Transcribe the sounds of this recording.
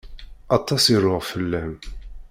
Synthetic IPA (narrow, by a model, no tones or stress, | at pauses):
ɑt̪ˤːɑsiɾʊʁfəlːæm